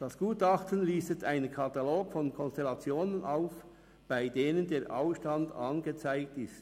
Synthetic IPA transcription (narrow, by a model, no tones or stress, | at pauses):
d̥ɑsɡ̥uːtɑχtənliːstətaɪnənkʰɑtɑloːɡfɔnkʰɔnstelɑt͡sjoːnənʔaʊf | b̥aɪdeːnəndeːʔa̰ʊfʃtɑndɑ̰nɡət͡saɪk̚tɪst